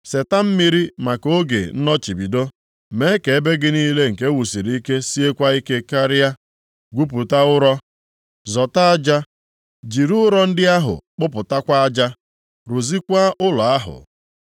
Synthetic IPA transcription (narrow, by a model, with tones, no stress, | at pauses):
se˨ta˦m̩˦mi˦ɾi˦ma˨ko˦ɡḛ˨n̩˦nɔ˦t͡ʃi˨bi˨do˦ | me˨˦ke˨e˦be˦ɡɪ˦niː˦le˦ŋ̩˨ke˦wu˨si˨ɾi˦i˦ke˦si˦e˦kʷa˦i˦ke˦ka˦ɾɪ˦a˦ | ɡʷu˦p̬u˨ta˦ʊ˦ɾɔ˦ | zɔ˨ta˦a˦d͡ʒa˦ | d͡ʒi˨ɾu˦ʊ˦ɾɔ˦n̩˦dɪ˦a˦ɦʊ̰˨k͡pʊ˦pʊ˨ta˦kʷa˦a˦d͡ʒa˦ | ɾu˨zi˦kʷa˦ʔʊ˦lɔ˨a˦ɦʊ̰˨